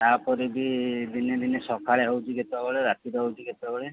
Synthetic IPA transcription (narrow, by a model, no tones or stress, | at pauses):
t̪apɔɾibid̪ined̪inesɔkʰaɭeɦowt͡ʃʰiket̪abɔɭeɾat̪iɾɔɦowt͡ʃʰiɡet̪bɔɭe